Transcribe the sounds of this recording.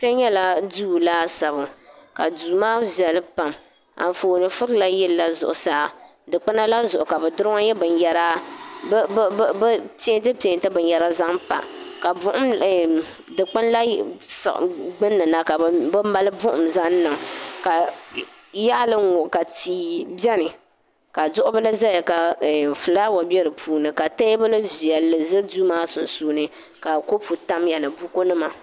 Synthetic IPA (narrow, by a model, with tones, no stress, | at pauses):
pɛ˦ɲɛ˦la˦duː˦laː˦sa˨βʊ˨ka̰˨du˨maː˦vi˨ɛ˨lɨ˦pa˨m | a̰˨n˨foː˨nɨ˨fʊ˦ɾla˦jɛ˦lla˦zʊ̰˨ʔʊ˨saː˦˨ | dɨ˨k͡pɨ˦na˦la˦zʊ˨ʔʊ˨ka˨bɛ˨dʊ˦ɾŋa˦jɛ˦bɨ˨n˦jɛ˦ɾa˦bbpe˦ntɨ˦pe˨ntɨ˦bɨ˨njɛ˨ɾa˦za˦pa̰˨ka˨bʊ˦ʔʊ˦m˨ | dɨ˨k͡pɨ˦nla˦sʔɡ͡bɨ˦nːɨ˨na˦ka˨bɨ˦ma˦lɨ˦bʊ˦ʔʊ˨mza˦n˦nːɨ˨ŋka˨ | ja˦lɨ˦ŋo˨ka˨tiː˨bɛ˦nɨ˨ | ka˨dʊ˦ʔʊ˦ba˦lɨ˦za˦ja˨ka˨fɨ˨laː˦wa˨bɛ˦ɾɨ˨puː˨nɨ˨ka˨ta˦bɨ˦lɨ˦vi˨ɛ˨lːɨ˨zɨ˦duː˦maː˦sʊ˨nsuː˦nɨ˨ | ka˨ko˦pu˨ta˦mjɛ˨lɨ˨bu˦ko˦nɨ˦ma˨